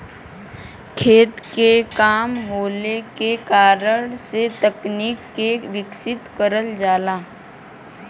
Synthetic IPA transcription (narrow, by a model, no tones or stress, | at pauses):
kʰet̪kekamɦolekekaɾəɳset̪əknikːeʋiksit̪kəɾəld͡zala